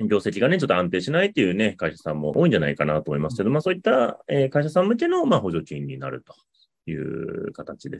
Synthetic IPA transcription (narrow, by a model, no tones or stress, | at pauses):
bʲo̞ːse̞kʲiɡane̞t͡ɕo̞t̪ːoãnt̪e̞ːɕinait̪ːe̞jɯ̟ːne̞kaiɕasãmːo̞ʔo̞ːĩɲ̟d͡ʑanaikanat̪oːmo̞imasɨ̥ke̞d̪o̞maːso̞ːit̪ːaeːkaiɕasãmɯ̟t̪̬ʲe̞no̞maːho̞ʑo̞kʲĩɲ̟ːina̰ɾɯ̟̰t̪o̞̥ | jɯ̟̰ːkat̪at͡ɕid̪e̞